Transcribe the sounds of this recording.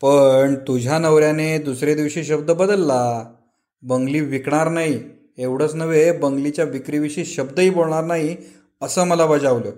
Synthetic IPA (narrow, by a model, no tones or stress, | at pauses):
pəɳt̪ud͡ʑʱanəʋɾjaned̪usɾed̪iʋɕiːɕ̬əb̚d̪əbəd̪əlːa | bəŋɡliːʋikɳ̃aɾnaɦi | eʋɽ̤ət͡snəʋebəŋɡlit͡ɕjaʋikɾiːʋiɕiːɕəbd̪əiːboɭɳ̃aɾnaɦi | əsəːməlaʋəd͡zaʋljo